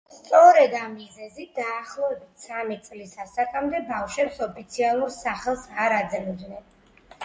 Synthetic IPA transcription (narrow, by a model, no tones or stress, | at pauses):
st̪sʼɔɾɛd̪amːizɛzit̪̚d̪̥aːχlˠɔvɛbit̪ʰsamɛt̪sʼlisasakʼamd̪ɛbafʃɛpsɔpʰit̪sʰialˠuɾsaχɛlˠsaɾad̪zɛmud̪nɛn